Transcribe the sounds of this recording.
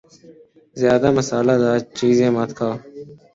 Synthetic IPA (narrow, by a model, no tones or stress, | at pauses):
zɪjaːd̪aːməsaːlaːd̪aːt͡ʃiːzẽːmat̪kʰaː